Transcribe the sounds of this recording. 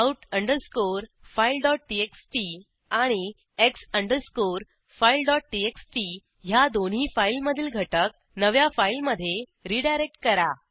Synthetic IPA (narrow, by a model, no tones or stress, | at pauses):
auʈəɳɖəɾskoɾfailɖɔʈ̚ʈieksʈi | aɽ̃i | eksəɳɖəɾskoɾ | failɖɔʈ̚ʈieksʈi | ɦjad̪onɦiːfailməd̪ʱiːlɡʱəʈək̚ | nəʋjafailməd̪ʱːjeɾiɖajɾek̚ʈkəɾa